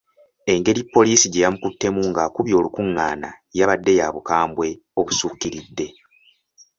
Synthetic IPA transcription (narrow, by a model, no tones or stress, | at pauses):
e̞ŋɡe̞ɾipːo̞liːsiɟejamukutːe̞muŋɡakuβjo̞ːlukuŋːaːna̰ | jaβadːe̞jaːβukaːmbwe̞ | o̞βusuːkːiɾidːe̞